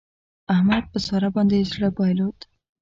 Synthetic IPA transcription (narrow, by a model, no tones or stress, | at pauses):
ahmad̪̚pəsɑɾabɑnd̪ezɽəbɑjlot̪